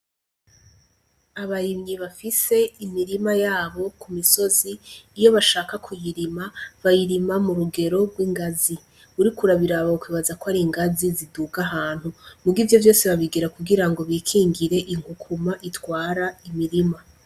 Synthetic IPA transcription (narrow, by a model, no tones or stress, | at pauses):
aβaɾimɲiβafise̞imiɾimajaːβo̞kumiso̞ziːjo̞βaʃaːkakʰujiɾimaβajiɾimamuɾuɡe̞ɾo̞ɡwiːŋɡazi | βuɾikuɾaβiɾaβakwiːβazakoaɾiŋɡaziziduɡaɦaːn̥humuɡivjo̞vjo̞ːseβaβiɡiɾakuɡiɾaŋɡo̞βiːkʰiːŋɡiɾe̞ʔiŋhukʰumaʔitwaːɾaimiɾima